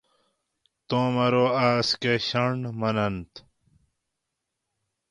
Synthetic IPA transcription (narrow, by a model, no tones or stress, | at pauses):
t̪õːmɐɾoːaːskeɕɐɳɖmɐnɐnt̪